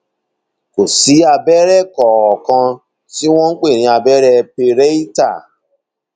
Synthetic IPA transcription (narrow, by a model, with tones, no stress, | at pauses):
ko˨si˨˦a˧bɛ˦ɾɛ˦˨kɔ˨ɔ˨kã˧ | ti˦w̃ɔ̃˦k͡pe˦˨ɾ̃ĩ˧a˧bɛ˦ɾɛ˦pe˧ɾe˦i˦ta̰˦˨